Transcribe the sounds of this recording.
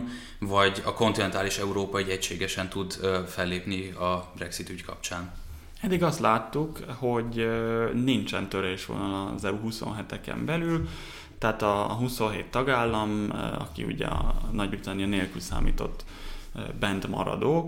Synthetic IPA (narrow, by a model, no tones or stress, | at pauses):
vɒɟɒko̞nt̪inɛnt̪aːliʃɛuɾoːpɒyɟɛcʃeːɡɛʃɛnt̪ud̪fɛlːeːpniɒbrɛksit̪yckʰɒ̰p̚t͡ʃaːn | ɛd̪iɡɒst̪laːt̪ːukho̞ɟ | nint͡ʃɛnt̪ø̞ɾeːʃʋo̰lnɒɒzɛuɦuso̞̰nɦɛt̪ɛkɛ̰mbɛlyl | t̪aːt̪ɒɦuso̞nɦeːt̪ːɒɡaːlːɒmɒ̰kḭṵɟɛ̰ɒnɒɟyt̪ɛniɒneːlkylsa̰ːmiːt̪o̞̰t̪ː | bɛnd̪mɒ̰ɾɒ̰d̪oː